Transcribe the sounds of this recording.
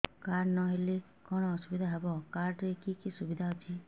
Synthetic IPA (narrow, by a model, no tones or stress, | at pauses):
kaɾnɔɦele | kɔɽ̃ɔːsubid̪ʱaɦɛbɔkaɾʈeekikisubid̪ʱaɦɔt̪ʰi